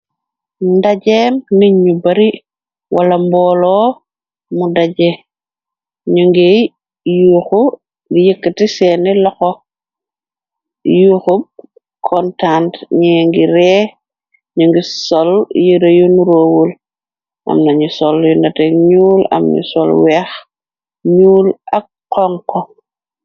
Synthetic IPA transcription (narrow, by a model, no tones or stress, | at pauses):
ndaɟemniɲːubaɾi | walambɔlɔː | mudaɟe | ɲuŋɡej | juxu | ɡijəkːətisɛnilɔxɔ | juxub̚ | kʰɔntantɲiŋɡiɾɛː | ɲuŋɡisɔljiɾejunuɾoːwul | ʔa̰mnaɲusɔljundatekɲuːla̰mɲṵsɔlwɛx | ɲuːlak̚ː | ɔŋkɔ